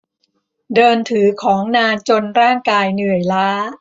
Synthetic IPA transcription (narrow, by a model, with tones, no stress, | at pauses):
dɤː˧nt̪ʰɯː˩˦kʰɔː˩˦ŋnaː˧nt͡ɕo˧nɾaː˥˩ŋkaː˧jnɯ˨˩əjlaː˦˥